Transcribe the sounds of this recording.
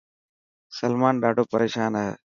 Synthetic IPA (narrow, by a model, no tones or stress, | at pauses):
səlmaːnɖaːɖʱoːpəɾʔeːʃaːnəɦḛː